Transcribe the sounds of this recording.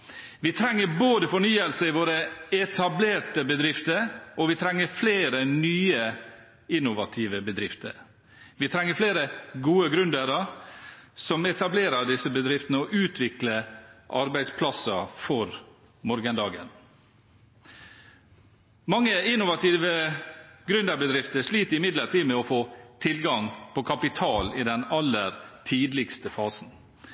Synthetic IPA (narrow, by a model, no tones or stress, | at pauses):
ʋit̪ʰɾɛŋːəɾboːd̪əfɔɳyːəlsəɪʋoːɾəɛt̪ʰɑbleːʈəbəd̪ɾɪft̪əɾʔɔʋɪt̪ʰɾɛŋːəɾfleːɾənyːə | ɪnʊʋɑt̪ʰiːʋəbəd̪ɾɪft̪ə̰ɾ | ʋiːt̪ʰɾɛŋːəɾfleːɾəɡuːəɡɾʉnd̪əɾə | sɔmɛt̪ɑbleːɾəɖ̪ɪsəbəd̪ɾɪft̪ənəɔʔʉːt̪ʰʋɪkləʔɑɾbæɪspʰlɑsɑfɔɾ | mɔɾɡənd̪ɑːɡə̰n | mɑŋːəɪnːʊʋɑt̪ʰiːʋə | ɡɾʉnd̪əɾbəd̪ɾɪft̪əʂliːt̪əɾɪmɪd̪ləɾʈiːmɛɔfoːt̪ʰɪlɡɑŋpʰɔkʰɑpɪt̪ʰɑːlɪd̪ɛnɑlːəɾt̪ʰiːd̪lɪɡst̪əfɑːsn̩